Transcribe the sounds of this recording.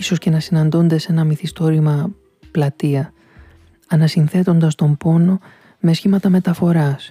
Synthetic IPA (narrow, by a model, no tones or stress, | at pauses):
so̞sce̞nɐsinɐnd̪o̞nd̪ese̞nɐmiθist̪o̞ɾimɐ | plɐt̪iɐ | ɐnɐsinθe̞t̪o̞nd̪ɐst̪o̞mbo̞no̞ | me̞sçimɐt̪ɐme̞t̪ɐfo̞ɾɐs